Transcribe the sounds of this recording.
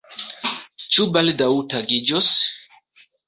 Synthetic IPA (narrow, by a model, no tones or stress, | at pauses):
t͡ʃubaldawtaɡid͡ʒos